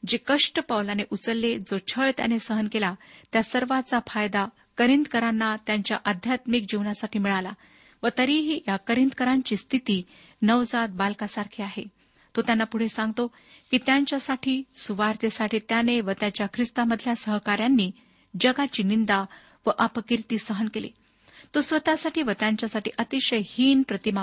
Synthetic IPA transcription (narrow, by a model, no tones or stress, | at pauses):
d͡ʑekəʂʈəpəʋlaneʔut͡səlːed͡zot͡ɕʰəɭt̪ja̰nesəɦənkelat̪jasəɾʋat͡safajd̪a | kəɾint̪kəɾanːat̪jaɲt͡ɕjaʔad̪ʱjat̪mik̚d͡ʑiʋnjasaʈiːmiɭala | ʋət̪əɾiɦiːjakəɾind̪kəɾaɲt͡ɕiːst̪ʰit̪iː | nəʋd͡zat̪̚balkasaɾkʰiːaɦe | t̪ot̪janːapuɽ̤esãŋɡt̪o | kit̪jaɲt͡ɕjasaʈʰiːsuʋaɾt̪jəsaʈiːt̪janeʋət̪jat͡ɕjakʰɾist̪aməd̪ʱːljasəɦkaɾjanːiː | d͡ʑəɡat͡ɕiːnind̪a | ʋəʔəpəkiɾt̪iːsəɦənkelḭː | t̪osʋət̪asaʈʰiːʋət̪jaɲt͡ɕjasaʈʰḭːʔət̪iɕəjhiːnpɾət̪ima